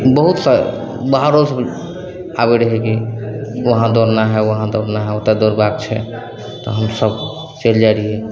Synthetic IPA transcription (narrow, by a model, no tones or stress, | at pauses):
bəɦut̪sa | bəɦaɾos | abɛɾəɦɛkiwəɦãd̪oɾnaɦɛwəɦãd̪oɾnaɦɛot̪ad̪oɾbak̚t͡ʃʰɛ̰ | t̪ɔ̰ɦəmsəb | t͡ʃeld͡ʒaɾiɦɛ